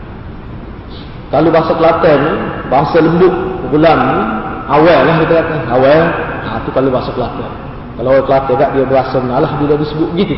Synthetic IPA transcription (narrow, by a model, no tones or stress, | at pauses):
kalobasakəlat̪ənibaŋsaləmbʊʔəkulaŋniawɛlaɦkit̪akat̪aawɛlat̪ukalobasakəlat̪ən | kalaɛkəlat̪əaɡaʔbiabəɣasəmənalahdiladisəbʊʔəɡit̪u